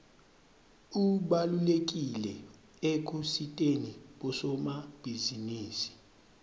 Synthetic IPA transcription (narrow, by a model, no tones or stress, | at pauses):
uɓalulek̬ʼilɛ | ek̬ʼusitʼeniɓɔsɔmab̥ʱiziniːsi̥